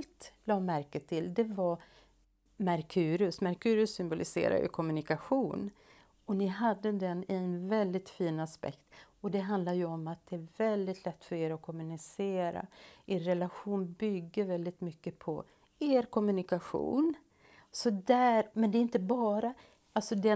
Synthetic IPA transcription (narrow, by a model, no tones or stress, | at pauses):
lt̪lɑːmæɾkət̪ʰːɪld̪ɛva | mæɾkʰʉːɾɵsmaɾkʰʉːɾəsːʏmbʊlʔɪsḛːɾa̰jɵ̰kʰɔmːɵnɪkaɧuːn | ɔnɪɦad̪ːəd̪ɛnɪɛnvɛld̪ɪt̪fiːnaspɛ̰kt̪ɔd̪ɛɦand̪laɾjɵɔmat̪̚d̪̥ɛæɾvɛld̪ɪt̪ʰlɛt̪ːfœɾeːɾɔkʰɔmːɵnɪseːɾa̰ʔeːɾɾɛlaɧuːnbʏɡːəɾvɛld̪ɪt̪mʏkːəpʰɔ̰ | eːɾkʰɔmɵnɪkaɧṵːn | sɔd̪æːɾmɛnd̪ɛɪnt̪əbɑːɾa | alt̪sɔd̪ɛ